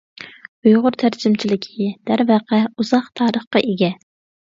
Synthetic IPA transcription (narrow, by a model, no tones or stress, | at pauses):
ujʁʊɾt̪ʰæɾd͡ʒimt͡ʃʰilɪkʲʰid̪̥æɾvæqʰɛuz̥ɑχt̪ʰɑːɾəχqɑʔeɡʲɛ